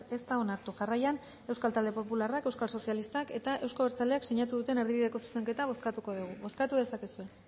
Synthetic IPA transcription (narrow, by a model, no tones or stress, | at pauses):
e̞st̪ao̞naɾt̪uʝarajan | e̞wskalt̪ald̪e̞po̞pularake̞wskalso̞sialist̪ake̞t̪aʔe̞wskaβeɾt͡sale̞akseɲat̪uðut̪e̞neɾðiβiðe̞ko̞su̥se̞ŋke̞t̪aβ̞o̞skat̪uko̞ðuɣ̞uβo̞skat̪uðe̞sake̞sue̞